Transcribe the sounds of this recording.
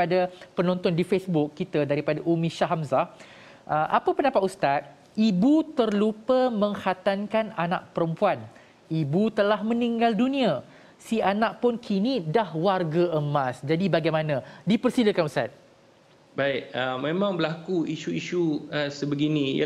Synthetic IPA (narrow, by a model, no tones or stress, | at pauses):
adapənɔ̃nt̪ɔndifesbʊkːit̪adaɾipadaʔumĩʃaɦamza | ʔəʔapapənapat̪̚ust̪at̪̚ | ibut̪ərlupəmə̃ŋhat̪ankananaʔ̚pəɾəmpuan | ibut̪əlahmə̃niŋɡaldunĩa | sianaʔ̚pʊnkʰinĩdahwarɡaʔəmasd͡ʒadibaɡajmanãdipərsiləkanust̪a̰t̪̚ | baɪʔəmẽmãŋbəlakuiʃuiʃuəsəbəɡinḭ̃